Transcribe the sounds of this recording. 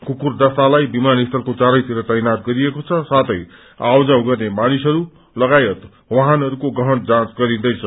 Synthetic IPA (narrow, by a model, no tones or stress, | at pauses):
kukurd̪ʌst̪alajbimanist̪ʰʌlkot͡saɾʌjt̪iɾʌt̪ʌjnat̪̚ɡʌɾiekot͡sʰʌsat̪ʌj | awd͡zawɡʌrnemañisʌɾu | lʌɡajʌt̪ | wʌɦanʌɾukoɡʌɦʌnd͡zãt͡sɡʌɾĩd̪ʌjt͡sʰʌ